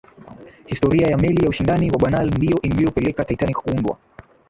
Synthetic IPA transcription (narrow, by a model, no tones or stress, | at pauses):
histɔɾiajamɛlijauʃindaniwaɓanalndijɔʔimbijɔpɛlɛkataitanikḁkuundwa̰